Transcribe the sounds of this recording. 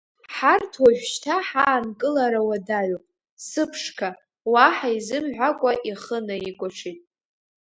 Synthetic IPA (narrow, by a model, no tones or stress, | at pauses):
ħartʰwaʒᶣʃtʰaħaːnkʼɨlaɾawadaʕʷopʼ | sɨpʰʂkʰa | waħaizɨmʕʷakʷʼaʔiχənaikʷʼaʈ͡ʂʰitʼ